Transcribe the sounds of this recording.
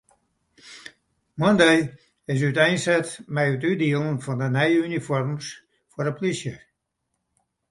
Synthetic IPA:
mɔndej | ɪs̬ytɛjnsɛtmɛjətydiəlˠənfɔndənɛjəynifɔrms | fɔɾəplisjə

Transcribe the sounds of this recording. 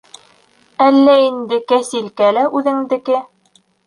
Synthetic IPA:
ælːæind̪ɘkæsilkælæʔʉðɘ̆ŋd̪ɘ̆kɘ

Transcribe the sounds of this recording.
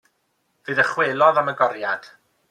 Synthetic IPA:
vɨːðəχweːlˠɔðaməɡɔɾjad̥

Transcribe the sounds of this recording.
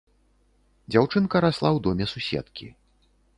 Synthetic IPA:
d͡zʲawt͡ʂɨnkɐɾaslˠawd̪ɔmʲɛsusʲɛ̰t̪kʲi

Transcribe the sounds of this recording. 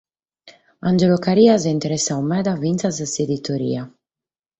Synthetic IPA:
and͡ʒelokaɾiazaint̪eɾesaumɛd̪avint̪sazəsed̪it̪oɾḭja

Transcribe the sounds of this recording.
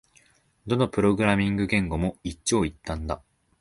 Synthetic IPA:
d̪o̞nopɯ̟ɾo̞ɡɯ̟ɾamʲĩŋɡɯ̟ɡẽ̞ŋɡo̞mo̞itt͡ɕːoːit̪ːãnd̪a̰

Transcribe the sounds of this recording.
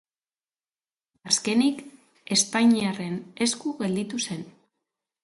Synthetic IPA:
aske̞nik | e̞sp̪ajɲiare̞ne̞skuɣe̞ld̪it̪use̞n

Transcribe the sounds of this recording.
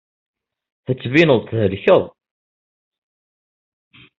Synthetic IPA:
θət͡sːvinəðˤt̪həɾçəðˤ

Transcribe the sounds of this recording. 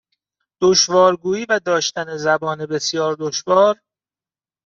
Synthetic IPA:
d̪̥oʃvɒːɾɡuːiːvæd̪ɒːʃt̪æne̞zæbɒːnebe̞sjɒːɾd̪oʃvɒːɾ

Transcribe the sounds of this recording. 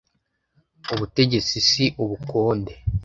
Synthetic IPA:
uβute̞ɟe̞t͡sisiʔuβuko̞ːnde̞

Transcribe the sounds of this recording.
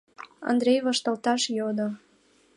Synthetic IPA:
ɑ̰nd̪ɾʲejβɑʃt̪ɑlt̪ɑʃjod̪o

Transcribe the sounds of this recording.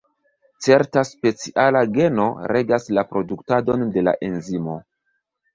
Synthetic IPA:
t͡se̞ɾtaspe̞t͡siʔalaɡe̞no̞ɾʔe̞ɡaslapɾo̞duktado̞nde̞la̰ʔe̞nzimo̞

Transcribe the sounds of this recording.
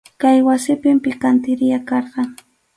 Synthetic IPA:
kajwasɪpɪmpɪkant̪ɪɾɪjakɑɾɢɑ

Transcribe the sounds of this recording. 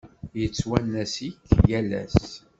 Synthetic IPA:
jət͡sːwænːæsikːjælæ̰s

